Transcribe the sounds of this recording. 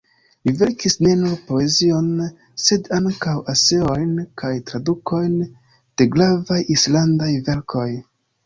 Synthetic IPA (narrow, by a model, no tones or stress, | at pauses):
live̞ɾkisne̞nuɾpo̞e̞zio̞n | se̞daŋkawase̞o̞jnkʰajtɾaduko̞jn | d̥e̞ɡlavajislandajve̞ɾkʰo̞j